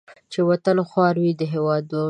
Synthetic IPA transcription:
t͡ʃewat̪əloxwɑɾwid̪əɦewɑd̪o

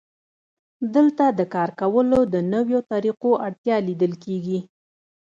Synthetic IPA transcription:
d̪əlt̪ad̪əkɑɾkawəlod̪ənəwjot̪ɑɾiqoʔaɽt̪jɑlid̪əlkeɡi

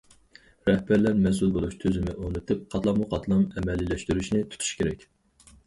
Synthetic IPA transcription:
ɾɛhbæɾlæɾmɛsulˠbolˠuʃt̪ʰøzɪmɪʔonɨt̪ʰɨp̚qʰɑt̪lˠɑmuqʰɑt̪ʰlnˠɨŋɛmɛlːilːɛʃt̪yɾyʃnɪt̪ʰu̥t̪ʰy̥ʃkʲʰeɾɛkʲ

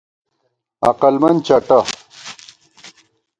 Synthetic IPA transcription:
ɐ̰qɐlmɐnt͡ɕaʈa

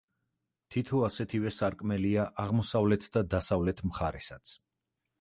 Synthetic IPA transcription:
t̪ʰit̪ʰɔasɛt̪ʰivɛsaɾkʼmɛliaʔaʁmɔsavlɛt̪ʰd̪ad̪asavlɛt̪ʰmχaɾɛsat̪sʰ

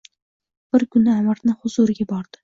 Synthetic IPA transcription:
b̥ɪɾkʰʊnɪamɪɾnɪhʊzuɾɪɡʲabɒɾd̪̥ɪ

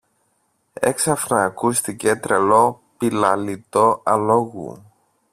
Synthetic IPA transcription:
e̞̰ksɐfnɐːkust̪icet̪ɾelo̞ | pilɐlit̪o̞ɐlo̞ɣṵ

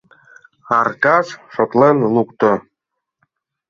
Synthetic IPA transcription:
ɑrkɑʂʃŏt̪lenlukt̪ŏ

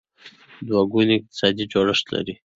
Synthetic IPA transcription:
d̪waɡunɪq̚t̪ɪ̥sɑd̪id͡ʒoɽəʂt̪la̰ɾi

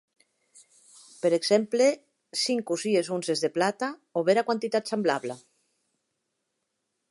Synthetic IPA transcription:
peɾeɡz̥emple | siŋkuziezunzezðeplat̪aoβeɾakwant̪it̪at̪semblaβla

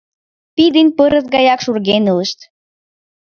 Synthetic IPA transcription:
pid̪ənʲpɤɾə̆zɡɑjɑkʃurɣenulə̆ʃt̪

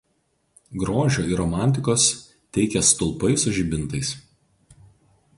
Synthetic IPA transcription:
ɡɾoːʒʲoːɪɾɔmɑˑnʲt̪ʲɪkoːs | t̪ʲɛɪkʲɛst̪ʊlˠpɐɪsʊʒʲɪbʲɪnˑt̪ɐɪs

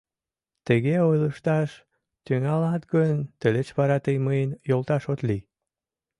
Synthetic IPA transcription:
t̪əɣeojləʃt̪ɑʃ | t̪yŋɑlɑt̪ɡənt̪əlet͡ɕβɑɾɑt̪əjməjenjolt̪ɑʃot̪li

